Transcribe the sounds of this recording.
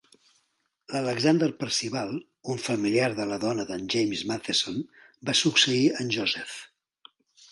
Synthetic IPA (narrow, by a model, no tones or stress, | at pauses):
lələɡzand̪əɾpəɾsiβalˠ | uɱfəmiliaɾðələðɔnəðənʲʒejmzmaθeson | basuksəiənʲʒozɛf